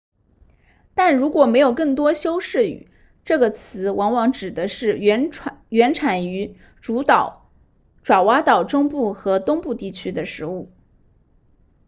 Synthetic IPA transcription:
t̪a˥˩nɻu˧˥kwɔ˨˩me˧˥ɪjo˨˩ʊkɤ˥˩ŋt̪wɔ˥ɕjo˥ʊʂɻ̩˥˩y̰˨˩˦ | ʈ͡ʂɤ˥˩ɡə˩t͡sʰɹ̩˧˥wɑ˧˥ŋwɑ˧˥ŋʈ͡ʂɻ̩˨˩d̪ə˦ʂɻ̩˥˩˧ɥɛ˧˥nʈ͡ʂʰa˨˩ny˧˥ | ʈ͡ʂu˧˥t̪ɑ˨˩˦ʊ | ʈ͡ʂwa˨˩wa˥t̪ɑ˨˩ʊʈ͡ʂʊ˥ŋpu˥˩xɤ˧˥t̪ʊ˥ŋpu˥˧t̪i˥˩t͡ɕʰy˥d̪ə˨ʂɻ̩˧˥u˥˩

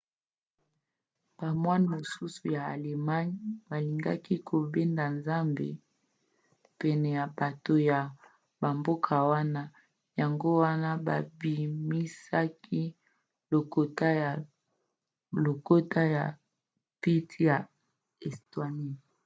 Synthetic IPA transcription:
b̥a˨mwa˦n˨mo˨su˦su˨ja˨a˨le˨ma˦ɲba˨li˨ŋɡa̰˦ki˦kʰo˨be˦nda˨nza˦mbḛ˨ | pɛ˨nɛ˨ja˨ba˨to˨ja˨ | ba˨mbo˦kʰa˨wa˦na˦ | ja˨ŋɡo˦wa˦na˦ba˨bi˨mi˦sa˦ki˦ | lo˨ko˨ta˦ja˨ | lo˨ko˦ta˦ja˨ | pi˦tja˨ | ɛ˨stwa˨ni˦

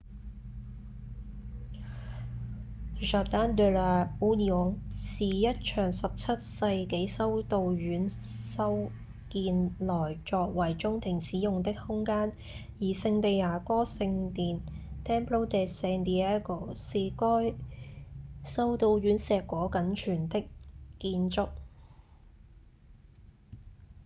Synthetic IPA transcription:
ʒaː˨˩t̪aː˥nd̪ø˧la˨˧u˥ni˨ʊ˨˥ŋsiː˨jɐ˥t̚t͡ʃʰœː˨˩ŋsɐ˨p̚t͡sʰɐ˥t̚sɐ˧jke˨˥jsɐ˥wt̪o˧wɥyː˨˥n | sɐ˥w | kiː˧nlɔː˨˩jt͡ʃɔː˧k̚wɐ˨˩jt͡ʃʊ˥ŋt̪ʰɪ˨˩ŋsiː˨˥jʊ˨ŋt̪ɪ˥k̚hʊ˥ŋkaː˥n | jiː˨˩sɪ˧ŋt̪e˨˧jaː˨˩kɔː˥sɪ˧ŋt̪iː˨nt̪ʰɛː˥npʰlo˥wt̪ɛː˨sɛː˧nd̪iː˨˧ɛː˥ko˨˩se˧kɔː˥j | sɐ˥wt̪o˧wjyː˨˥nsɛː˨kːɔː˨˥kɐ˨˥nt͡ʃʰyː˨˩nt̪ɪ˥kkːiː˧nt͡sʊ˥k̚

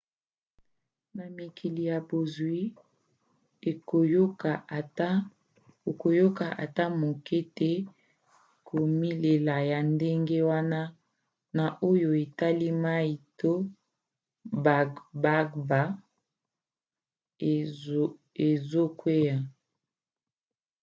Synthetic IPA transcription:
na˨mi˨kʰi˨li˨ja˨bo˨zwi˦ | e˨o˨jo˦ka˨ta˦ | o˨ko˨jo˦ka˨ʔa̰˨ta˦mo˨kɛ˦te˦ | kʰo˨mi˦le˨la˨ja˨nde˦ŋɡe˦wa˦na˦ | na˨ʔo˦jo˨e˨ta˦li˦ma˦i˨to˦ | ba˨ba˦ɡba˦ | e˨zo˦kwe˦ja˨

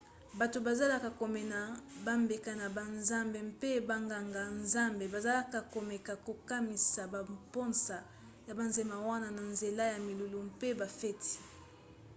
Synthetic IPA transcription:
ba˨to˨ba˨za˦la˦ka˨ko˨mɛ˨na˨ba˦mbe˨ka˨na˨ba˨nza˦mbe˨mpe˦ba˨ŋɡa˨ŋɡa˨nza˦mbe˨ba˨za˦la˦ka˨ko˨mɛ˨ka˨ko˨ka˦mi˨sa˨ba˨mpɔ˦nsa˨ | ja˨ba˨nze˨ma˨wa˦na˦na˨nze˨la˦ja˨mi˨lu˨lo˨mpe˦ba˨fɛ˦ti̥˨

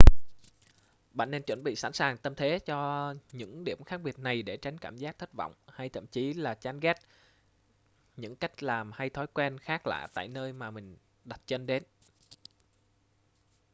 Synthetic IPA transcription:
ɓa̰˧˨ŋne˧nt͡ɕwə˧˩nɓḭ˧˨sa̰˧˥nsaː˨˩ŋt̪ə˧mt̪ʰe˨˦t͡ɕɔ˧ɲɨ̰˧˥ŋɗḭ˧˩əmxaː˦˥k̚ɓi˨˩ət̚na˨˩jɗe˧˩t͡ɕa˨˦jŋ̟kaː˧˩mzaː˦˥k̚t̪ʰə˦˥t̚vɔ̰˧˨wŋ͡mha˧jt̪ʰə̰˧˨mt͡ɕi˨˦laː˨˩t͡ɕaː˨˦nɣɛ˦˥t̚ | ɲɨ̰˧˥ŋka˦˥jk̟̚laː˨˩mha˧jt̪ʰɔ˨˦jkwɛ˧nxaː˦˥k̚la̰ː˧˨t̪a̰ː˧˨jnəː˧jmaː˨˩mï˨˩ŋ̟ | ɗa˨˩t̚t͡ɕə˧nɗe˨˦n

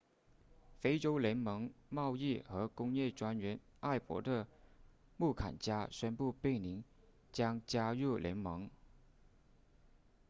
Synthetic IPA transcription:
fe˥ɪʈ͡ʂo˥ʊljɛ˧˥nmɤ˧˥ŋmɑ˥˧ʊi˥˩xɤ˧˥kʊ˥ŋjɛ˥˩ʈ͡ʂwa˥nɥɛ˧˥n | a˥˩ɪpwɔ̰˧˥d̪ə˧ | mu˥˩kʰa̰˨˩nt͡ɕja˥ɕɥɛ˥npu˥˧pe˥˩ɪni˧˥ŋ | t͡ɕjɑ˥ŋt͡ɕja˥ɻu˥˩lʔjɛ̰˧˥nmɤ˧˥ŋ

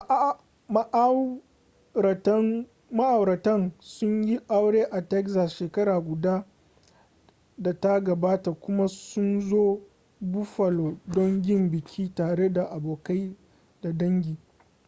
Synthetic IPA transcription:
ma˦ʔ | ɐ˨tn | ma˦ʔa˨wɾɐ˨tɐ˦nsʊ˦ɲji˦ʔa˦wɽeː˦ʔa˨tɛ˦kza˨sʃeː˨kɐ˦ɾaː˨ɡʷʊ˨daː˦ | da˨ta˦ɡɐ˨baː˦ta˨kʷʊ˦ma˦sʊ˦nzoː˦ | bʊ˦ɸɐ˨loː˨dɔ˦ŋɡʲɪ˦˨mbɪ˨kʲʰiː˦taː˨ɽe˦da˨ʔa˨boː˨ka˦j | da˨dɐ˦ŋɡʲiː˨

